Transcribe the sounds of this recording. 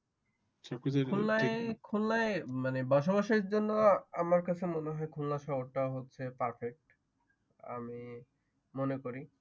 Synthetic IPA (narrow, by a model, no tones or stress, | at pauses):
t͡ɕakikullaekʰullaemanebɔʃ̬obaʃeɾd͡ʑonːoamaɾkat͡ɕʰemoneɦɔekʰunlaʃɔboɾʈaɦotːɕʰepaɾfek̚ʈ | a̰mi | monekoɾi